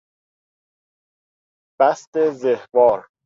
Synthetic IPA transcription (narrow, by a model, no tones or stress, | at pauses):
b̥æst̪ezehvɒːɾ